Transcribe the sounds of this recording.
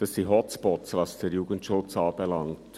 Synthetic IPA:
d̥ɑsdiɦɔtt͡spɔtsvɑsd̥eːɾjuːɡ̥ən̩tʃʊt͡sɑːb̥ɛlɑŋt

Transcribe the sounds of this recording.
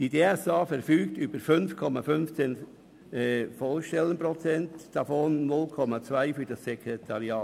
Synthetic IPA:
d̥ideːɛsɑːfɛɾfyːktybəɾfʏnfkʰɔmafʏnft͡seːn | ɛfɔlʃtɛlənpɾɔt͡sɛntd̥ɑfonːʊlkʰɔmat͡svaɪfyɾd̥ɑsːɛkʰɾetʰɑɾjɑː

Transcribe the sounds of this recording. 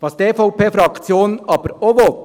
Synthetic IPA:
ʋɑːsd̥̪eːfɔʊpʰeːfɾɑkt͡sjoːnɑːb̥əɾoʋɔt̪

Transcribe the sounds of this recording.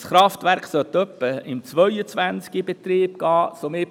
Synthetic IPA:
sχɾɑft̪væɾkχsœt̪ːœpːəɪmt͡sʋœʏət͡sʋænt͡skibet̪ɾiːb̚ɡ̥ɑːsome

